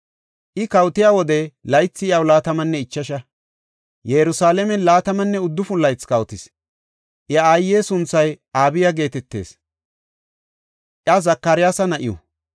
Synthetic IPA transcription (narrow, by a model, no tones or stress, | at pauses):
ʔɪkɐwt̪ɪjaːwɔd̪ɛlɐjt͡sːɪɪjɐwlaːt̪ɐmɐnːɛɪt͡ʃːɐʃɐ | jɛɾʊsaːlɛmɛnlaːt̪ɐmɐnːɛʊd̪ːʊfʊlːɐjt͡skɐwt̪ɪs | ʔɐaːjːeːsʊnt͡sːɐj | aːbɪjaɡe̞ːt̪ɛt̪ːe̞̰ːs | ʔɪɐzɐkːɐɾɪjaːsɐnɐʔɪ̰jɔ̰